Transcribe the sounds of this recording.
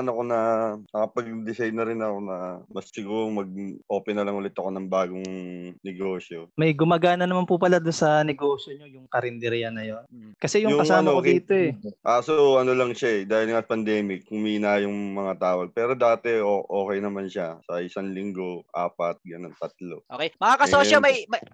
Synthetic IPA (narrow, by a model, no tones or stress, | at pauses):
nɐko̞nɐmɐkɐpɐɡ̚d̪ɪsajnɐɾɪnɐko̞nɐmɐssɪɡuːɾomɐɡ̚ʔo̞ːpɛnɐlɐŋʊlɛt̪ɐko̞nɐŋbaːɡoŋnɛɡo̞ːsjomɐjɡʊmɐɡaːnɐnɐmanpupɐlad̪ʊnsɐnɛɡo̞ːsjoɲo̞jʊŋkɐɾɪnd̪ɛɾɪjɐnːɐjo̞nkɐsɛjʊŋjʊkɐŋsaɐnokokd̪iːt̪o̞ʔɛʔasoɐnolɐŋʃaɛd̪aːhɪlŋapɐnd̪ɛːmɪkːʊmiːnajʊŋmɐŋat̪aːwɐɡ̚pɛːɾo̞d̪aːt̪ɛoʔoːkɛjnɐmanʃasɐʔɪsaŋlɪŋɡo̞ʔaːpɐt̪̚ɡɐnont̪ɐt̪̚lo̞ʔʔokejmɐŋakɐoːjomɐjmɐ